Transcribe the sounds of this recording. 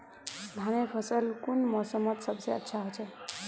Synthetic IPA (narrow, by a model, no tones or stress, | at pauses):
d̪ʱañepʰʌsəlkunmɔsəmʌt̪sʌbseə̰tːʃʰaɦot͡sʰʌ